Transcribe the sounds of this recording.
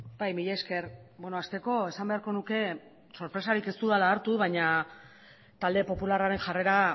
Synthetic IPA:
bajmiʎeske̞ɾbono̞ast̪e̞ko̞e̞sambe̞aɾko̞nuke̞ | so̞ɾpɾe̞saɾike̞st̪uðalaːɾt̪uβaɲa | t̪ald̪e̞po̞pularaɾe̞nʝare̞ɾa

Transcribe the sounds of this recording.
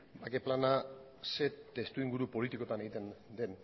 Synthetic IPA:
bakeplana | se̞t̪e̞st̪uiŋɡuɾupo̞lit̪iko̞t̪ane̞ɣit̪e̞nd̪e̞n

